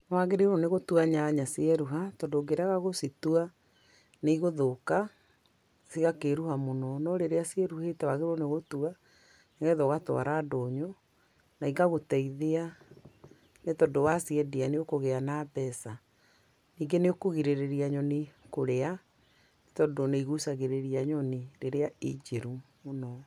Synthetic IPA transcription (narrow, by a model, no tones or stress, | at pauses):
nɔwaɣeɾeɾoneɣotuaɲaɲasiɛɾuɦatɔndoɡeɾaɣaɣositua | neiɣoðoka | siɣakeɾuhamonɔnɔɾeɾeasiɛɾuhetɛwaɣeɾoneɣotua | neɣɛðɔɣatw̰a̰ɾaːdoɲo | naiŋɡaɣotɛiðea | netɔdowasiɛdianeokoɣeanabɛsa | niːŋɡeneokoɣiɾeɾeɾiaɲɔnikoɾea | netɔdoneiɣusaɣeɾeɾiaɲɔniɾeɾeaid͡ʑeɾumonɔ